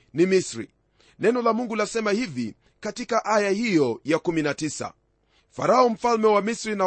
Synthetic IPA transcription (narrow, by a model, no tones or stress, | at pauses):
nimisɾḭ | nɛnɔlamuŋɡulasɛmahivi | katikaʔajahijɔjakuminatisa̰ | faɾaɔm̩falmɛwamisɾina